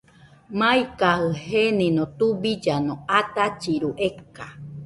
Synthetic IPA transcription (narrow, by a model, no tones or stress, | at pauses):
mãjkahɨhenĩnõt̪ubid͡ʒanõat̪at͡ʃiɾuʔeka